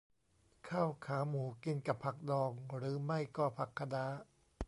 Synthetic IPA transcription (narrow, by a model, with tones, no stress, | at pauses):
kʰaː˥˩wkʰaː˩˦muː˩˦ki˧nka˨˩pʰa˨˩k̚dɔː˧ŋɾɯː˩˦ma˥˩jkɔː˥˩pʰa˨˩kʰːa˧daː˦˥